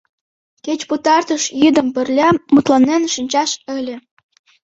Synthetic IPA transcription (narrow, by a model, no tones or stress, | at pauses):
ket͡ɕput̪ɑrt̪ɤ̆ʃjid̪ə̆mpɘ̆rlʲæmut̪lˠɑnːenʃinʲt͡ɕɑʃə̆lʲĕ